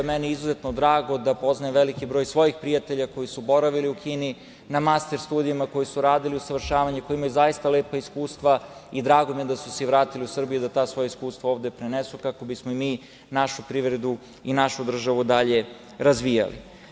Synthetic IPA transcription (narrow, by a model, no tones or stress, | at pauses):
meniizuze̞t̪nod̪ɾaːɡo̞d̪apo̞znaeʋelikibɾo̞ːjsʋo̞jixpɾijat̪e̞ʎako̞jisubo̞ɾaʋiliukiːni | namast̪eɾst̪uːd̪ijamako̞jisuɾaːd̪iliusaʋr̩ʃaːʋaɲeko̞jimajuzajist̪aleːpaiskuːst̪ʋaid̪ɾaːɡo̞mijed̪asuseiʋɾaːt̪iliusr̩bijud̪at̪aːsʋo̞jaiskuːst̪ʋao̞ːʋd̪e̞pɾenesukako̞bismoimiː | naʃupɾiʋɾed̪u | inaʃud̪r̩ʒaʋud̪aʎe̞ | ɾazʋija̰lḭ